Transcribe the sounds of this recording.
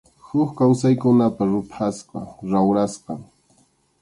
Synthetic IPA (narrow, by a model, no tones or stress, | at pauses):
hʊkkawsajkʊnapaɾʊpʰasqɑɾawɾasqɑ